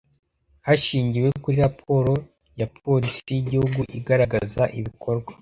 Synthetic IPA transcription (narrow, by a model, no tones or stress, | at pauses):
haʃiːɲɟiwe̞kuɾiɾapʰo̞ɾo̞ | jap̚ʰo̞ɾisijiɟihuɡuʔiɡaɾaɡazaʔiβikʰo̞ɾɡwḁ